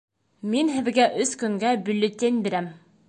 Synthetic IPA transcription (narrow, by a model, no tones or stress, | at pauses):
minɦɘ̆ðɡæʔɵskɵ̆ŋɡæbɵ̆lːɵ̆t̪ʲenbiɾæm